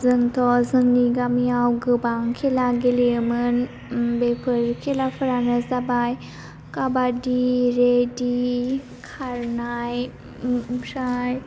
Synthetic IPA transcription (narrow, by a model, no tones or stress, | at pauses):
zɯŋt̪ʰɔzɯŋniɡamiawɡɯbaŋkʰelaɡelimɯn | bepʰəɾkʰelapʰəɾanazabaj | kabadiɾedi | kʰaɾnaj | ɾaj